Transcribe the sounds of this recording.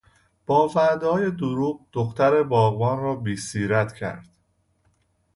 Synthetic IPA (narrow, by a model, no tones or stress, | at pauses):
b̥ɒːvæd̪ɒːje̞d̪oɾuːɢ̚d̪̥oxt̪æɾe̞bɒːɣbɒːnrɒːbiːsiːɾæt̪ʰcʰæ̰ɾd̪̥